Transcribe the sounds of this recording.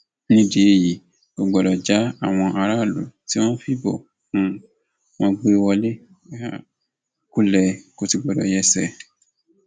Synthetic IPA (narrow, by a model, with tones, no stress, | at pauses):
nĩ˦de˨e˦˨ji˨ | ko˨ɡ͡bɔ˨ɾɔ˨d͡ʒa˦a˦˨w̃ɔ̃˧ʔa˧ɾa˦˨lṵ˨˦ti˦w̃ɔ̃˦fi˦bɔ˨ | nũ˧ | wɔ̃˧ɡ͡be˦wɔ˧le˦ | a˦˨ | ku˦lɛ˧ko˨˧ti˧˨ɡ͡bɔ˨dɔ̰˨jɛ˧˦sɛ˨